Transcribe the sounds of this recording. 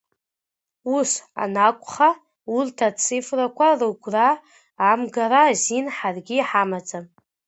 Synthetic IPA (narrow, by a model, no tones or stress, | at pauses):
usa̰nakʷʼχa | urtʰat͡sʰɨfrakʷʰarɨɡʷraː | mɡaɾazinħarɡʲiħamad͡zʼam